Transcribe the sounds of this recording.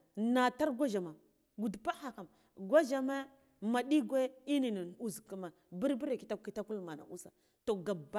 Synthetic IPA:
na˨ta˦ɾɡʷa˦ʒa˨ma˨ | ɡu˨dpa˦ha˨ka˨m | ɡʷa˦d͡ʒa˨me˦ | ma˨ɗi˦ɡʷe˦i˦ni˨ni˨n˨u˨zka˦ma˨ | bi˦ɾbi˦ɾe˨ki̥˨˦ta˦ki˦ta˦ku˦lma˨na̰˨ʔu˦sa̰˨ | to˨ɡa˨ba˦

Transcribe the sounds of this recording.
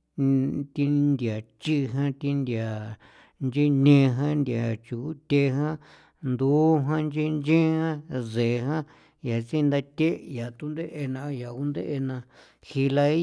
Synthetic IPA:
t̪i˧nd̪ja˨t͡ʃi˦˧ɦã˦t̪i˧nd̪ja˨ | nd͡ʒi˦nẽ˧ɦã˦nd̪ʲa˨t͡ʃu˨˦t̪ʲe˧ɦã˦ | nd̪u˦ɦã˦nd͡ʒi˦nd͡ʒẽ˦hã˦ze˨˧ɦã˦ | ja˨t͡si˦˧nd̪a˧t̪ʲe˦ja˨t̪u˦nd̪e˦ʔe˧nã˧ja˨ku˦nd̪ḛ˦ʔe˧nã˧ | hi˧la˧i˦

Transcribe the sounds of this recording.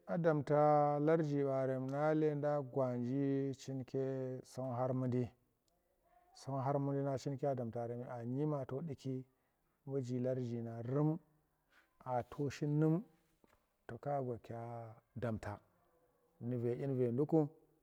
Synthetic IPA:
a˨da˨mta˨la˦ɾd͡ʒi˨ɓa˨ɾe˨mna˦le˦nda˦ɡwa˨nd͡ʒi˦t͡ʃi˦nkʲe˦so˦nɦa˦ɾmu˦ndi˦ | so˦nɦa˦ɾmu˦ndi˦na˦t͡ʃi˦nke˦a˦da˨mta˨ɾe˨m˨a˨ɲi˦ma˨to˦ɗi˦ki˦ | bu˦d͡ʒi˨la˦ɾd͡ʒi˨na˨ɾu˦m | a˨tʰo˦ʃi˦nːu˦m | to˨ka˦ɡʷa˨ka˨da˨mtʰa˨ | ni˨ve˨ʔi˦n˦ve˨ndu˦ku˦

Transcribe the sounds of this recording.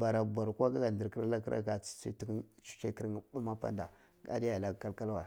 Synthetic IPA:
ba˨ɾa˨ba˨ɾkʷa˦ɡa˦ɡa˨ndi˨ɾki˦ɾa˦la˦ka̰˦ɡa˨t͡ssḭ˦ti˦kt͡ʃu̥˦t͡ʃe˦ki˦ɾŋ˦ba˦ma˦pa̰˦nda˨ | ɡa̰˦di˦ja˨la˦˨ka˦lka˦lwa˨

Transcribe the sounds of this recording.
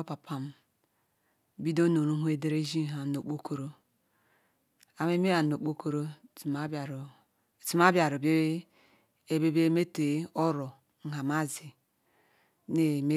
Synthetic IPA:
o˦pa˨pʰa˨m˦ | bi˦do˦no˨ɾu˦ɦu˦e˦de˦ɾe˦ʒi˦˨ɦa˨no˨k͡po˦ko˦ɾo˦ | a˨me˦me˦ja˨n˨o˨k͡po˦ko˦ɾo˦i˨ma˦bɾo˨ | ti˨m˦a˦bja˨ɾo˨be˦ | e˦be˦be˦me˦te˨˦o˦ɾo˨ | ŋ̩˨ɦa˨ma˦zi˨ | ne˦˨me˦

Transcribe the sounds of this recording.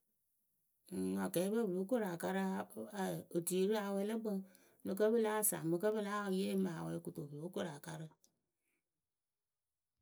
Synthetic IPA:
a˨kɛ˨˦bə˦bɨ˨lo˨˦ko˦ɾa˨ka˦ɾɨ˦a˨o˨di˨˦ɾɨ˦a˨wɛ˦lə˦bə˦ŋ | mɨ˧kə˦bə˦la˦˨sa̰˨mɨ˧kə˦bɨ˦la˦˨je˦ma˨wɛ˨˦ku˨to˨bə˨lo˦ko˦ɾa˨ka˦ɾɨ˦

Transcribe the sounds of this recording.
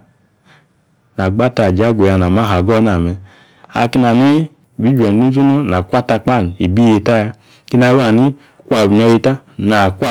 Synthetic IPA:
na˨ɡ͡ba˦ta˨d͡ʒa˦ɡʷe˨ja˧˨na˨ma˦ɦa˨ɡɔ˦na˨mɛ˧ | a̰˧˨ki˧na˨ni˦˨ | bi˨˦d͡ʒʷɛ˨˦u˦zu˦nɔ˦na˨kʷa˦ta˧k͡pa˦˨n˨i˨bi˦je˧ta˦ja˧ | ki˦na˧˦wa˨ni˦ | kʷa˨bi˨nɔ˧je˧ta˦na˨kʷa˦˨

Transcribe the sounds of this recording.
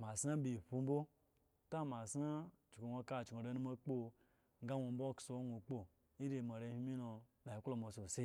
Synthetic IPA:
ma˨sna˦bi˨ɸu˧m̩˦bo˦ | ta˦ma˨sna˦t͡ʃko˨nʷo˧ka˦˨t͡ʃko˨ɾe˦nu˦mo˦k͡po˦ | ŋ˦ɡa˦nʷo˧m̩˦bo˦kso˨˦nʷu˨k͡po˦ | i˦ɾe˨ma˨ɾe˧˦hi˦mi˦no˧na˨i˨˦klo˨mo˨so˨se˦

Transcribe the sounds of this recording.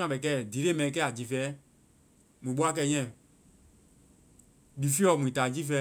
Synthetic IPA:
ã˨ɓɛ˨kɛː˦˨di˨ɾe˦mɛ̃˨ĩ˦˧kɛː˦a˨d͡ʒi˨˦fɛː˦ | mũ˨ɓo˦a˦˨k̬ɛ˧˨˦ɲɛ̃˦˨ | di˨fi˦ɔ˨mũ˨ĩ˨taː˨d͡ʒi˦fɛː˧˦

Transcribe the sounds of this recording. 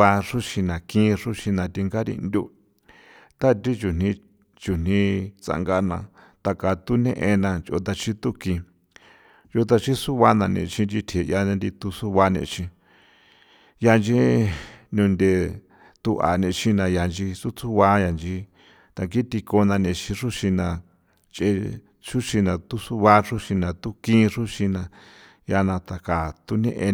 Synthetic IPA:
a˧ʂu˦ʃi˧nã˨kĩ˦ʂu˦ʃi˧nã˧t̪i˧ŋɡa˦ɾḭ˧nd̪ʲu˦ | t̪a˦t̪i˦t͡ʃu˨n̥ĩ˧ | t͡ʃu˨n̥ĩ˧t͡sa̰˧ŋɡa˧nã̰˧ | t̪a˧ka˧t̪u˦nḛ̃˦ʔe˧nã˧t͡ʃo̰˧t̪a˧t͡ʃi˦t̪u˦kĩ˧ | jo˧t̪a˧t͡ʃi˦su˦βa˦nã˧nḭ̃˧t͡ʃĩ˧d͡ʒi˧t̪ʰe˨jã˧nd̪i˧t̪u˧su˦βa˧nḛ̃˧t͡ʃĩ˧ | ja˧nd͡ʒi˦nũ˧nd̪e˧˨ | t̪u˧ʔa̰˨nẽ˧ʃi˦nã˧ja˧nd͡ʒi˧su˦t͡su˦βa˦ja˧nd͡ʒi˦ | t̪a˧ki˦t̪i˧ko˧nã˧nẽ˧t͡ʃĩ˧ʂu˦ʃi˧nã˧ | t͡ʃe˧ | ʂu˦ʃi˧nã˧t̪u˦su˦βa˦ʐu˦ʃi˧nã˧t̪u˦kĩ˦ʐu˦ʃi˧nã˧ | ja˧nã˧t̪a˧ka˨t̪u˧nḛ̃˦ʔe˧

